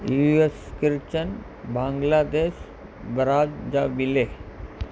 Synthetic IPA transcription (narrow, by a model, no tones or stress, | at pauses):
jueskɪɾt͡ɕən | bãːŋɡlaːd̪eːʃ | bəɾaːd͡ʑd͡ʑaːʋɪleː